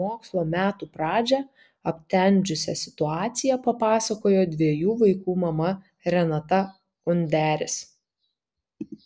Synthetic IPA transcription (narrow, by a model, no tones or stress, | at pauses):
oːkslˠoːmʲæːt̪upɾɑːd͡ʒʲɛ | ɐpʲt̪ʲɛnʲd͡ʒʲʊsʲɛ̰sʲɪ̥t̪ʊɑːt̪sʲɪjɛpɐpɑːsɐkoːjoːd̪ʲʋʲiɛjuːʋɐɪkuːmɐmɐ | ɾʲɛnɐt̪ɐ | ʊnʲd̪ʲæːɾʲɪs